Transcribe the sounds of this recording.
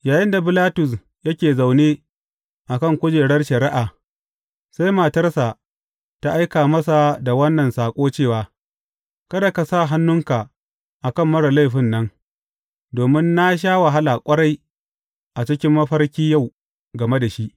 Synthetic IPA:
jaː˨jɪ˦nda˨bɪ˦laː˦tʊ˨s̬ | jɐ˦kʲeː˨za˨wneː˦ | ʔa˨kɐ˦˨ŋkʷʊ˦d͡ʒeː˨ɽɐ˦rʃɐ˨ɾɪ˦ʔaː˨ | sa˦jma˨tɐ˦rsa˨ | ta˦ʔa˦jkaː˨mɐ˦sa˨da˨wɐ˦nːɐ˨nsaː˨kʷʼoː˦t͡ʃeː˦˨waː˨ | kɐ˦da˨ka˨sa˦˨ɦa˦nːʊ˦ŋka˨ | ʔa˨kɐ˦˨mːɐ˦ɽɐ˨la˦jɸɪ˦˨nːɐ˦ŋ | doː˨mɪ˦nːa˦ʃ̬aː˦wa˨ɦa˦la˨kʷʼɐ˦ɽa˦j | ʔa˨t͡ʃɪ˦kʲɪ˦mːɐ˦ɸɐ˦rkʲiː˦ja˦˨w | ɡɐ˨me˦da˨ʃi˦ʔ

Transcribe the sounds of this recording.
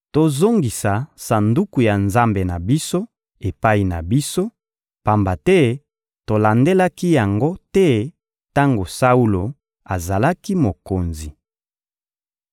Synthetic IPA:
to˨zo˦ŋɡi˨sa˨sa˨ndu˦ku˨ja˨nza˦mbe˨na˨bi˦so˦ | e˨pa˦i˨na̰˨bi˦so˦ | pa˨mba˨tɛ˦ | to˨la˨nde˦la˦ki˦ja˨ŋɡo˦tɛ˦ | ta˦ŋɡo˨sa˦u˦lo˨ | a˨za˨la˦ki˦mo˨ko˨nzi˨

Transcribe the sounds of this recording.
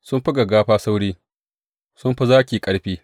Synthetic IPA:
sʊ˦mɸi˦ɡɐ˨ɡaː˦ɸaː˦sa˦wɽiː˦ | sʊ˦mɸi˦zaː˦kʲiː˨kʼɐ˨˦ɽɸiː˦

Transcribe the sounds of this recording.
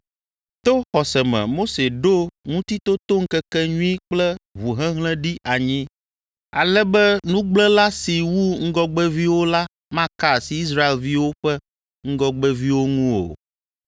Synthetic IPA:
t̪o˦xɔ˨sɛ˨mɛ̰̃˨mo˦se˨ɖo˦ŋũ˦t̪i˦t̪o˦t̪o˦ŋ̩˦kɛ˦kɛ˦ɲũ˦ĩ˦k͡plɛ˦βu˨ɦɛ̃˦ɦlɛ̃˦ɖi˦ʔa˨ɲĩ˦ | a̰˨lɛ˦bɛ˦nũ˦ɡ͡blɛ̃˦la˦si˨wu˦ŋ̩˦ɡɔ˦ɡ͡bɛ˦vi˦wo˦la˦ | mã˦ka˦˨si˨i˦s̬ɾa˦e˨lvi˦wo˦ɸɛ˦ | ŋ̩˦ɡɔ˦ɡ͡bɛ˦vi˦wo˦ŋũ˦o̰˨

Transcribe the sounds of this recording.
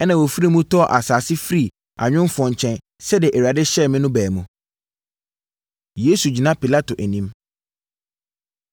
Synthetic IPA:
ɛ˦nã˨wo˨fi˦ɾi˦mũ˦tʰɔ˦˨ʔa˨saː˨sɪ˦fɾi˦˨ | a̰˨ɲᶣʊ̃˦m˦fɔ̃˨ɲ˨t͡ɕʰɛ̃˦n | sɛ˦dɪɪ˨ʔæ˨wɥa˨dɪ˦ɕɛ˦˨mɪ̃˦nʊ̃˦bɛː˨mũ˨ | je˦su˨d͡ʑi˨nã˦pi˨la˦to˨ʔæ˨nĩ˦m

